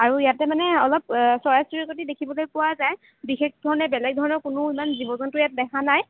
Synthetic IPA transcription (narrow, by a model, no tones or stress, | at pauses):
aɹuijatɛmanɛɔlɔp̚sɹɔjasiɹikotidekʰibɔlojpʊwazaj | bixek̚dʱɔɹɔnɛbɛlɛɡ̚dʱɔɹɔnɔɹkʊnʊimanzibɔzɔntʊjat̚dɛkʰanaj